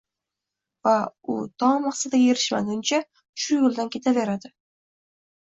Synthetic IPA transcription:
vaʊt̪ʰɒŋmɑχsad̪aeɾɪʃma̰ɡʊnt͡ʃʰa | ʃʊjʊlˠd̪ankʲʰe̞t̪ʰave̞ɾad̪ɪ

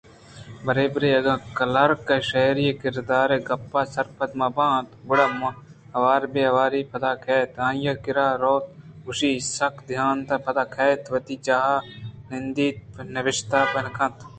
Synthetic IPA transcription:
bɐɾeːbɾeːɐɡãːkɐlɐɾkeʃɐɦɾijekɪɾd̪aːɾeɡɐpːaːsɐɾpʰɐt̪mɐːbãːt̪bʊɽamɐ | ɐʋaːɾbeɐʋaːɾiːpʰɐt̪aːkʰɛːt̪ãːjãːkɪɾaːɾoːt̪̚ʊʃiːsɐkʰd̪ʱjaːnt̪ɐpʰɐt̪aːkʰɛːt̪ʋɐt̪iːt͡ʃaːɦanɪnd̪iːt̪̚nɐʋɪʃt̪aːpɐnkʰɐ̃t̪

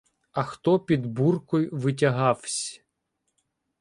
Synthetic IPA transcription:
ɐxt̪ɔpʲid̪burkɔjʋɪt̬ʲɐɦɑwsʲ

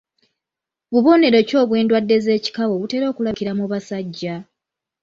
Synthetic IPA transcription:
βuβo̞ne̞ɾo̞co̞ːβwe̞ːndwadːe̞ze̞ːci̥kaβo̞βute̞ːɾo̞ːkulakiɾamuβasaɟːa

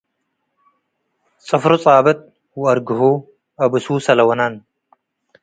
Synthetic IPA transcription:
t͡sʼɨfɾut͡sʼaːbɐt̪̚ | wʊɐɾɡɨɦu | ʔɐbɨsusɐlɐwɐnan

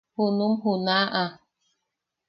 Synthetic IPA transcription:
hunumɦunaʔa

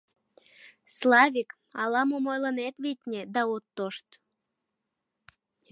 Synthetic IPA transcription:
slɑβʲik | ɑlɑmomojlənet̪βit̪ʲnʲed̪ɑot̪ːoʃt̪

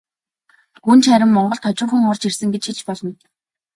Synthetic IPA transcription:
ɡunt͡ɕʰχæɾʲɪ̆mːɔɴɢɞ̆ɬt̪ʰɔt͡ɕʊ̆rxɘ̆ŋɔrt͡ɕirsɘ̆ŋɡet͡ɕxit͡ɕpɔɮɞ̆n

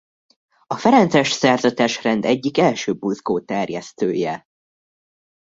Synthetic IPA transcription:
ɒfɛɾɛnt̪sɛʃsɛrzɒt̪ɛʃrɛnd̪ɛɟːikɛlʃøːbuzɡoːt̪ɛrjɛst̪øːjɛ

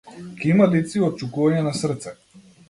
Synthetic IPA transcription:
kʲimad̪it̪siɔt̪̚t͡ʃukuvaɲɛnasr̩t̪sɛ

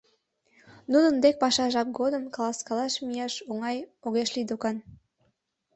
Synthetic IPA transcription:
nud̪ənd̪ek̚pɑʃɑʒɑp̚ɡod̪əmkɑlɑskɑlɑʃmijɑʃoŋɑjoɣeʃlid̪okɑn

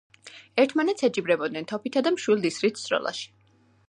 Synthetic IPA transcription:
ɛɾt̪ʰmanɛt̪sʰɛt͡ʃʼibɾɛbɔd̪̚nɛnt̪ʰɔpʰit̪ʰad̪amʃwilˠd̪isɾit̪ʰsʼɾɔ̰lˠa̰ʃi̥

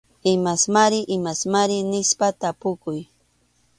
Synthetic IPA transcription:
ɪmasmaɾɪʔɪmasmaɾɪnɪʃpat̪apʊkʊj

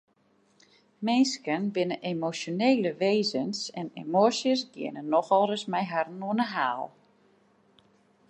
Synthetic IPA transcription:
mɪnskənbɪnəʔemosjoneːləʋeːzənsɛnḛmosjəsɡɪ̰ənənːɔxɔlˠrəsmɛjɦarnuənəɦaːlˠ

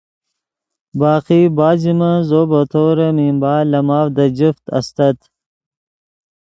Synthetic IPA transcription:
baːqibaːd͡ʑimazoːbɐt̪ʰoːɾɐmimbaːlɐmaːfd̪ɐd͡ʑift̪ɐ̰st̪ɐt̪

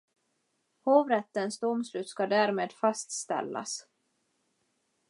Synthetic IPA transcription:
hoːvɾɛt̪ːənsd̪ɔmslʉ̟ːt̪skad̪æːɾmeːd̪fast̪st̪ɛ̰lːa̰s

